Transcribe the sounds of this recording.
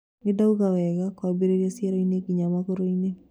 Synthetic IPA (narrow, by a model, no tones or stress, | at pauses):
nɪdauɡawɛɡakwabeɾeɾjasjeɾoinekiɲamakoɾoine